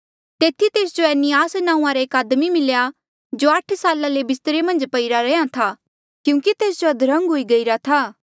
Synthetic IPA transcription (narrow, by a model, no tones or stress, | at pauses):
t̪eːt̪ʰit̪eːsd͡ʒoɛːnɪjaːsnãːũãɾeeːkaːd̪mimɪlja | d͡ʒoɐʈʰsaːlalebɪst̪əɾemɐ̃nd͡ʒpɐiɾaɾɛãt̪ʰaː | kjũːkit̪eːs̬d͡ʒoɐd̪ɾɐ̃ŋɡɦoːiɡɐiɾat̪ʰaː